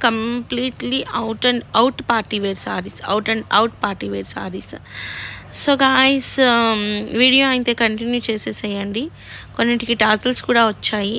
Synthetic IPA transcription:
kɐmpliːʈliʔɐwʈɐɳɖɐwʈpaːɾʈiʋeːɾsaːɾisɐ̰wʈɐɳɖɐwʈpaːɾʈiːʋeːɾsa̰ːɾis | soːɡaːjs | ʋiːɽijoːɐint̪eːkɐɳʈinjuːt͡ʃeːseːsɐjɐɳɖi | konːiʈikiʈaːɾʈɐlskuːɽaːʋɐt͡ʃːaːji

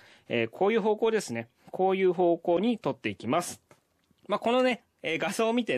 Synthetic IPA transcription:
eːkʰo̞ːjɯ̟ːɦo̞ːkoːd̪e̞sɨne̞ | kʰo̞ːjɯ̟ːɦo̞ːko̞ːɲ̟it̪o̞t̪ːe̞ikʲimasɨ̥ | maːko̞no̞ne̞ | eːɡasoːmʲit̪e̞

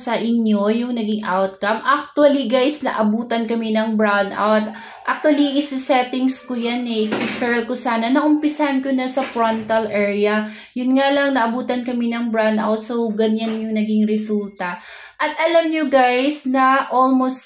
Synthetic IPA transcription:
sɐʔɪnjo̞jʊŋnɐɡɪŋʔa̰wt̪̚kɐmʔak̚t̪ʊɐliɡajsnɐ̰ʔɐbuːt̪ɐnkɐmɛnɐŋbɹawnd̪ʔa̰wt̪̚ | ʔak̚t̪wɐliʔɪsʊsɛt̪ɪŋskojanɛkɪkɛɹlkosaːnɐnɐʔʊmpɪsahɐnkonɐsɐfɹɔnt̪ɐlʔɛːɹiɐ | jʊnŋalɐŋnɐʔɐbuːt̪ɐnkɐminɐŋbɹawnʔa̰wt̪̚sowɡɐnanjʊŋnɐɡɪŋɾɛsult̪ɐ | ʔɐt̪ʔɐlamɲoɡajsnɐʔolmost̪

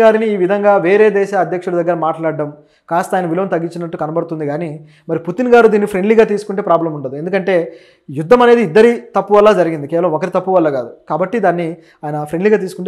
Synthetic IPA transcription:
aːɾiniːʋid̪ʱɐŋɡaːʋe̞ːɾe̞ːd̪ɛːʃaːɐd̪ʱjɐkʂuɽɐd̪ɐɡːɐɾɐmaːʈlaːɖːɐm | kaːst̪ɐaːjɐnɐʋiloːnt̪ɐɡːiɲt͡ʃːinɐʈːukɐnɐbɐɽt̪und̪iɡaːni | mɐɾiput̪inɡaːɾud̪iːnːipʰɾeɳɖliːɡaːt̪̬iːsu̥kuɳʈepɾaːblɐmuɳɖɐd̪ue̞nd̪ukɐɳʈe̞ː | jud̪ʱːɐmɐne̞ːd̪iːd̪ːɐɾit̪ɐpːuʋɐlːaːd͡ʒɐɾiɡind̪ikɛːʋɐlɐmːokɐɾit̪ɐpːuʋɐlːɐɡaːd̪ukaːbɐʈːid̪aːnːi | aːjɐnɐpɾe̞ɳɖliːɡaːt̪iːsu̥kuɳʈ

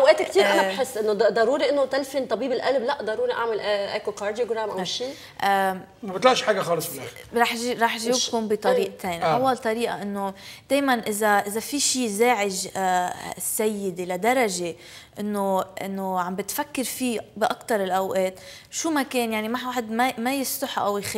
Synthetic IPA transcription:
ʔawʔeːt̪kt̪iːɾɾʔanabħɪsːʔɪnːod̪ˤɑɾuːɾiʔɪnːot̪alfint̪ˤɑbiːbɪlʔalblaʔd̪ˤɑɾuːɾiʔaʕmɪlʔʔekokɑːɾd̪ijoɡɾamʔaʃiː | ʔ | mabɪt̪laʔʃħaːɡaxɑːlɨsˤɾɑːħʒiɾˤɑːħʒibkuːmbit̪ˤɑɾiːʔt̪ʰeːnʔʔawːalt̪ˤɑɾiːʔa̰ʔɪnːod̪̥eːjmanʔɪzaʔɪzafiʃiːzeːʕɪʒ | sːajːɪd̪elad̪ɑɾˤɑʒe | ʔɪnːoʔɪ̰nːoʕambɪt̪fakːɪɾfiːbɪʔakt̪ɑɾˤɪlʔawʔeːt̪ | ʃumakeːnjaʕnimaħwaːħɪd̪mamajɪst̪ʊħʔa̰wjx

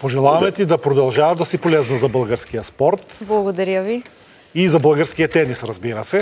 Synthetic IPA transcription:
poʒɛlˠavamɛt̪id̪apɾod̪alˠʒavaːʒd̪asipolɛznazabəlˠɡaɾskijaspɔɾt̪blˠɐɡod̪ɐɾjavi | izabəlˠɡaɾskijat̪ɛnisɾazbiɾasɛ

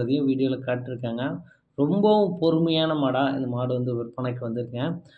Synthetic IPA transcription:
ɐðɪjʊ̃ʋiːɽɪjoːlɐkaːʈːɪɾɯkːaːŋɡɐ | ɾɔmbɐʋʊ̃pɔɾɯmɐjaːnɐmaːɽãːɪ̰nd̪ɐmaːɽɯʋɐnd̪ɯʋɛɾpːɐːɳɐkːɯʋɐnd̪ɪɾɯkːɐŋɡɐ̃

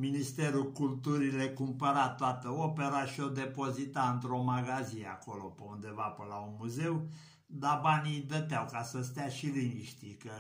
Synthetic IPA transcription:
minist̪e̞ɾukult̪uɾilekumpəɾat̪oat̪əopeɾaʃio̞d̪e̞po̞zit̪aɨnt̪ɾo̞maɡazia̰ko̞lo̞peund̪e̞vapəlaunmuze̞w | d̪abanijd̪ət̪eawkasəst̪eaʃilimiʃt̪ikə

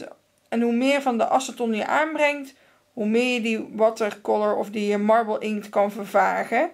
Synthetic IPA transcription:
ɛnɦumɪːɹvɑndəʔɑsətɔnjəʔaːnbrɛŋt | ɦumɪːjədiʋɑtəɹkɔləɹɔ̰fdiəmɑɹbəlˠʔɪŋktkɑnvəɹvaːχə

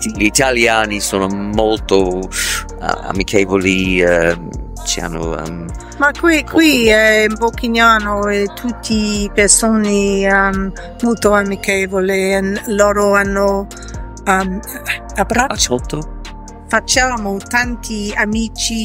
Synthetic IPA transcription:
ʎit̪aljaːnisoːnomolt̪o̰ | a̰mikʰɛːvoliɛm | t͡ʃḭa̰nːo̰ɛ̰m | makwikwiɛmbokiɲjaːnoet̪ʰut̪ʰːipersoːneamː | olt̪oamikɛːvolenloːɾoanːo | am | abɾat͡ʃot̪o | fat͡ʃaːmot̪ant̪ʰiamiːt͡ʃi

